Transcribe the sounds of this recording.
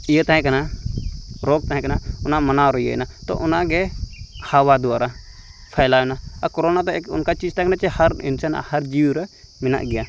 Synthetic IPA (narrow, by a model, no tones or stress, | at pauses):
ijət̪aɦɛ̃kana | ɾɔɡ̚t̪aɦɛ̃kanaʊnamɐnaɾɔjə̰nat̪ɔ̰ʔʊnaɡɛhawad̪ɔaɾapʰajlajɔnaakɔɾɔnat̪ɛʊ̰nkat͡ʃiːd͡ʒt̪aɛ̃kanat͡ʃɛhaɾḭnsana̰hɐɾd͡ʒiwɾɛmɪna̰ʔɡɛja